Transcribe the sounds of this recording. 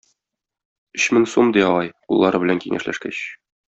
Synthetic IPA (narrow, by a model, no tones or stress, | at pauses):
ɵɕmɘŋsomd̪ijɒʁɑjulˠːɑɾɤbɘ̆læŋkiŋʔæ̰ʃlæ̰ʃkæɕ